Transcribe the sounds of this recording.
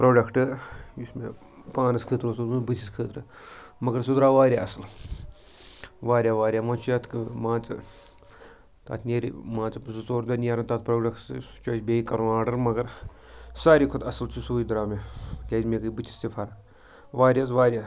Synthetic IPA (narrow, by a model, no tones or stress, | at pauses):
pɾoːɖɐkʈɨjusmḛ | pãːnɐskʰɨːt̪ɾsulmɨbɨt̪ʰiskʰɨːt̪ɾɨmɐɡɐɾs̬ud̪ɾaːʋaːɾʲjaːɐsɨl | ʋaːɾʲjaːʋaːɾʲjaːmat͡ʃʰujat̪ʰkɨmãːt͡sɨ̰ | t̪a̰ːt̪ʰnʲeɾḭmãːt͡sɨzut͡soːɾd̪ɐnʲijaːɾɐnt̪at̪̚pɾoːɖɐkʈɨ̰t͡ʃoːsʲbʲeːikɐɾnaːɖɐɾmɐɡɐɾ | saːɾikʰʊt̪ɐsɐlt͡ʃʰusuːjid̪ɾaːmekʲeːd͡ʒʲmekɨbɨt̪ʲʰi̥st̪ʲifʰaɾɐ | ʋaːɾʲjaːsʋaːɾʲjaː